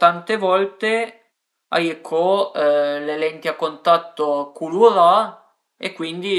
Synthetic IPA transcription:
t̪ant̪evɔlt̪e | a̰jekʰːɔ | lelɛnt̪iakːont̪at̪ːokuluɾa | ekːwind̪i

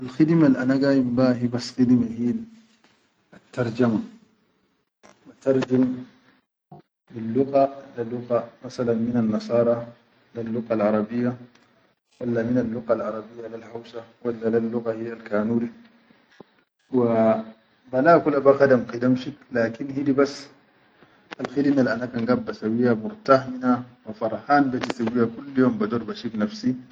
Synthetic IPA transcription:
ʔalxid̪malʔanaɡaːjimbahibasxid̪mahija | at̪ːɑɾˤd͡ʒama | bat̪ɑɾˤd͡ʒam | lilːʊɣalalʊɣamasalanminanːɑsˤɑːɾˤɑ | lalːʊɣalʕɑɾˤɑbijːa | walːaminalːuɣalʕɑɾˤɑbijːalalhawsawalːalalːuɣahijːalkaːnuːɾi | wa | balaːkulabaqad̪amqid̪amʃiklaːkinhid̪ibasː | ʔalxid̪inalʔanakanɡabːasawijːamʊɾt̪ahminawafɑɾˤhaːnbit̪isawːijhakulːjoːmbad̪uɾˤbaʃiknafsi

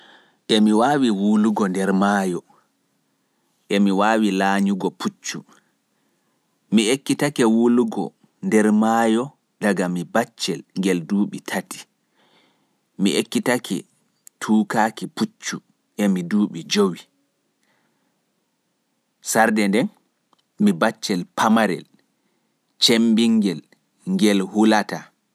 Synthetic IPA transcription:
ʔɛmiwaːwiwuluɡɔndɛɾmajɔ | ʔɛmiwaːwilaːɲuɡɔput͡ʃːu | miekːitakɛwuluɡɔ̰ | ndɛɾmajɔ | daɡamibat͡ʃːɛlŋɡɛlduːɓitʰati̥ | miʔekːitakʰɛ̰ | tʰuːkaːkiput͡ʃːu | ʔɛmiduːɓid͡ʒowi | saɾdɛndɛn | mibat͡ʃːɛlpʰamaɾɛ̰l | t͡ʃembiŋɡɛl | ŋɡɛlhulata

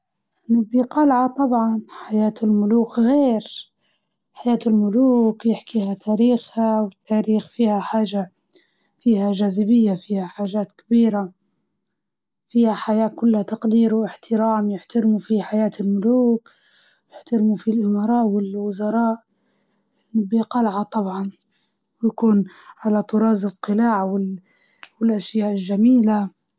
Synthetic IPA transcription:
ʔanɪbiqɑlʕat̪ˤɑbʕɑnħajaːt̪ɪlmʊluːkɣeːɾ | ħajaːt̪ɪlmʊluːkjɪħkihat̪ʰaːɾiːxhawɪt̪ːaːɾiːxfiːhaħaːʒa | fiːhaʒaːzɪbɪjːafiːhaħaːʒaːt̪kabiːɾa | fiːhaħajaːkʊlːhat̪ɑqd̪iːɾwɪħt̪ɪɾaːmjɪħt̪aɾmufiħajaːt̪ɪlmʊluːk | jɪħt̪aɾmufilʔɪmɑɾˤɑːʔwɪlwʊzɑɾˤɑːʔ | nbiqɑlʕat̪ˤɑbʕɑn | wjakuːnʕalat̪ˤʊɾˤɑːzɪlqɨlaːʕwɪ | wɪlʔaʃjaːʔɪlʒamiːla

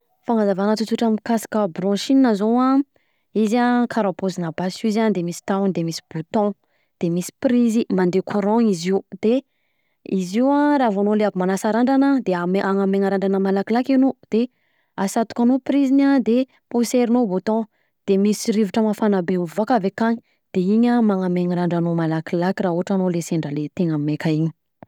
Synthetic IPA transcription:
faŋazavanat̪ut̪uʈ͡ʂamikasḁkəbɾɔ̃ʃininazowã | izakʰaɾapozinabasizand̪emisi̥t̪awnd̪emisi̥b̥ot̪ɔ̃ | d̪̥emisi̥prizimand̪ekʰuɾɔ̃iziwd̪̥e | iziwaɾavanoleaɡimanasaɾaɳɖ͡ʐanəd̪eaeʔaŋameŋaɾaɳɖ͡ʐanəmalakilakinod̪̥e | asat̪u̥kʲanopɾizinad̪e | puseɾinobot̪ɔ̃ | d̪̥emisiɾiviʈ͡ʂəmafanabeuvokavekaɲi̥ | d̪̥eiɲamaŋameŋaɾaɳɖ͡ʐanomalakilakiraɦuɦaʈ͡ʂanoleseɳɖ͡ʐəlet̪eŋammekaiɲi̥

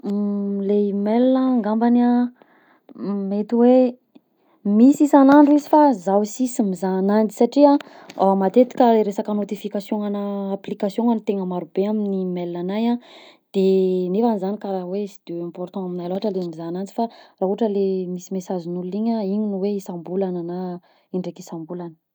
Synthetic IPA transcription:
leimelnəːŋɡambana | met̪iwe | misisanaɳɖ͡ʐuizifazawsisimizanand͡zi̥saʈ͡ʂia | amat̪et̪i̥kʲəleɾesakənot̪ifikasjoŋanəːplikasjõŋanit̪eŋəmaɾub̥eaminnimelːanajãd̪̥enefanizanikaɾawesid̪̥eɛ̃mpɔrt̪ɑ̃aminajloaɦaʈ͡ʂəlemizanand͡zi̥faraɦuaʈ͡ʂəlemisimesazinuluiɲaiɲinuweisãmbulanəna | iɳɖ͡ʐekisãmbulanə̥

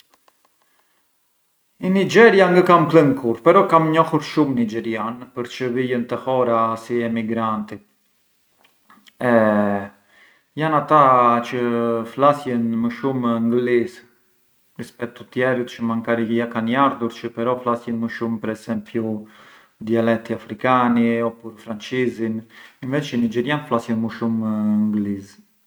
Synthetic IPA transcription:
inid͡ʒɛɾjaŋɡəkampləŋkʰuɾpɛɾɔkamɲɔhuɾʃumnid͡ʒɛɾjanpəɾt͡ʃəvijənt̪əhɔɾasiɛmiɡɾant̪i | ɛ | janat̪at͡ʃəflasjənməʃumŋɡlis | ɾispɛk̚t̪ːut̪jɛɾit̪t͡ʃəmaŋkaɾijakanjaɾðuɾt͡ʃəpɛɾɔflasjɛnməʃumpəɾɛsɛmpju | d̪ialɛk̚t̪iafɾikaniɔpuɾfɾant͡ʃizininvɛt͡ʃənid͡ʒɛɾjanflasjɛnməʃumŋɡliz

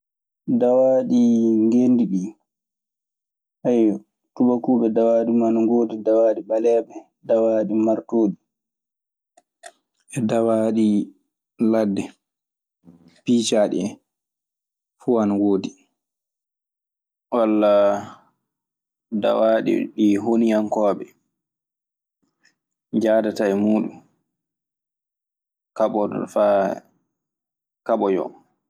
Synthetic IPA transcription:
dawaːɗiŋɡendiɗi | ʔaj | tuɓakuːɓɛdawaːɗimanŋɡoːdidawaːɗiɓalɛɓɛ | dawaːɗimaɾtoːɗi | ɛdawaɗi | ladːɛ | piːt͡ʃaːɗḭɛ | fuanawoːdi | walːa | da̰waɗḭɗiɦonijankɔːɓɛ | d͡ʒaːdatajmuːɗṵm | kaɓɔd̰fa | kaɓɔjɔ̰

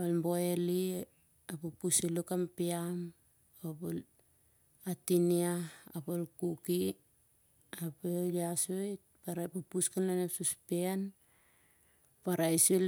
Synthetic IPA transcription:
almboeli | apupusilukampiam | apul | atiniaapolkuki | apeliasojtpaɾapupuskanlanesuspen | paɾaisu

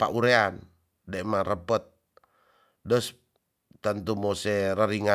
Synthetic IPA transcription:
pa̰ʔuɾean | dɛmaɾəpət̪̚ | dəs | t̪ant̪umosɛɾaɾiŋa

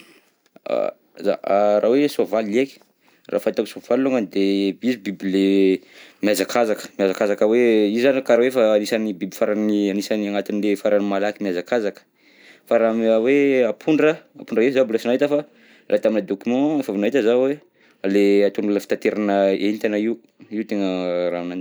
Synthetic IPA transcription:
a̰ | za̰arʔawesovalieki̥ | ra̰fant̪aki̥sov̥alloŋənd̪ebizibibile | mjazakʰazakə̥miazakazakəweizankaɾawefaːnisanibibifaɾanianisaniaŋat̪inlefaɾanimalakimiazakazakə̥ | faɾamaweapʰuɳɖ͡ʐəapuɳɖ͡ʐəefzabulasinajt̪afa | lʔat̪aminəd̪okymɑ̃efavinait̪əzawe | aleat̪unulafi̥t̪at̪eɾanəenit̪anai | iut̪eŋəɾanan

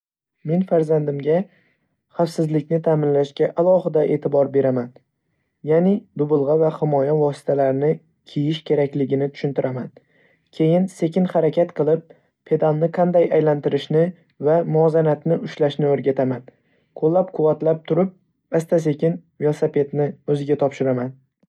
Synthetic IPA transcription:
me̞nfaɾzand̪ɪmɡʲa | χafsɪzlɪkʲnɪt̪ʰaːmɪnlaʃkʲaʔalˠɒɦɪd̪aʔe̞ːt̪ʰɪbɒɾbe̞ɾaman | janɪd̪ʊbʊlˠʁɑvahɪmɒjavɒsɪ̥t̪ʰalaɾnɪ | kʲʰijɪʃkʲʰe̞ɾakʲlɪɡʲɪnɪt̪ʰʊ̥ʃɪnt̪ɪɾʔaman | kʲʰe̞jɪnse̞kʲɪnχaɾakʲat̪qʰɨlˠɪp̚ːʰ | e̞d̪amnɪqʰɑnd̪ajajlant̪ɪɾɪʃnɪ | vamʊɒzanat̪nɪʔʊʃlaʃnɪoɾɡʲat̪ʰaman | qʰolˠːap̚qʰʊvːat̪lap̚t̪ʰʊɾɪp̚ | ast̪ʰas̬e̞kʲʰɪnve̞lsape̞t̪nɪɵzɪɡʲat̪ʰɒpʃɪɾaman

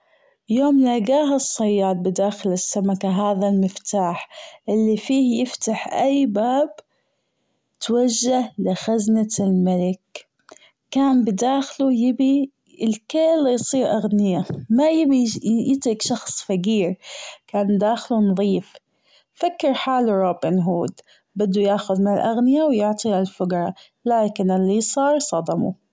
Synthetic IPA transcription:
joːmlaɡaːɦasˤːɑjːɑːd̪̚ˤbɪd̪aːxɪlɪsːamakaɦaːðalmɪft̪aːħʔɪlːifiːhjɪft̪aħʔajːbaːb | t̪waʒːahlɪxaznalmalɪkː | aːnbɪd̪aːxlujɪbi | ɪlkɪːlːijsˤiːɾʔaɣnɪjamajɪbijɪt̪ɾɪkʃɑxsˤfaɡiːɾkaːnd̪aːxlunðˤiːf | fakːɪɾħaːlɾˤoːbɪnɦuːd̪ | bɪd̪ːujaːxʊðmɪnɪlʔaɣnɪjawjʊʕt̪ˤialfʊɡɾˤɑ | laːkɪnɪlːisˤɑːɾˤsˤɑd̪ɑmṵ

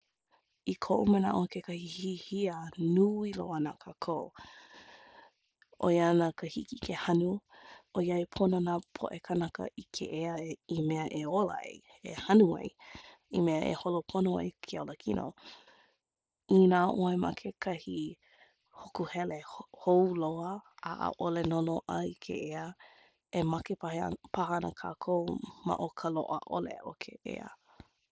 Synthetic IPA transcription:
ikʰoʔuməna̰ʔokekɐhihihiənuːilo̰anakʰakʰoo | ʔo̰jɐnakəhikikʰehɐnuojɐipʰononaːpʰo̰ʔekʰanɐkə̰ʔikʰḛʔeɐimeɐʔeola̰ḛj | ḛhɐnuɐ̰j | imeɐʔḛholopʰonoa̰jkʰeoləkʰinʔo̰ | inaːʔoemɐ̰kʰekʰɐhi | hokuhɛlehowloəa̰ʔə̰ʔolenonoʔɐikʰḛʔeə | emɐkepɐhḛpʰaɦɐnə̰kʰa̰ːkʰowmɐ̰ʔokʰəlo̰ʔə̰ʔo̰lḛʔokʰḛʔḛə̰

